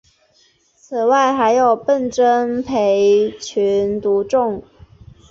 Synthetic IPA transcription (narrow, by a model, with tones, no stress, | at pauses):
t͡s̩ʰ˨˩wa˥˩ɪxa˧˥ɪjo˨˩ʊpə˥˩nʈ͡ʂə˥npʰe˧˥ɪt͡ɕʰy˧˥nt̪u˧˥ʈ͡ʂʊ˥˩ŋ